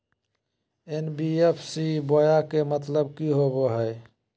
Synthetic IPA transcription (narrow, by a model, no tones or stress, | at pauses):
enbiepʰsibojakemət̪ləb̚kiɦoboɦəe